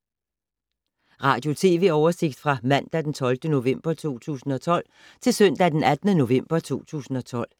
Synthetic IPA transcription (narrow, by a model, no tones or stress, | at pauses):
ʁɑ̈ːd̥jo̝t͡sʰe̝̰ːʋe̝̰ːɒʊɐse̝ɡ̥̚d̥fʁɑ̈mæn̰d̥æd̥ent͡sʰɒ̽lfd̥əno̝ʋem̰b̥ɐt͡sʰo̝̰ːt͡sʰṵːsn̩ɒ̽t͡sʰɒ̽l̰ | t͡sʰe̝lsœn̰d̥æd̥enæd̥nəno̝ʋem̰b̥ɐt͡sʰo̝̰ːt͡sʰṵːsn̩ɒ̽t͡sʰɒ̽l̰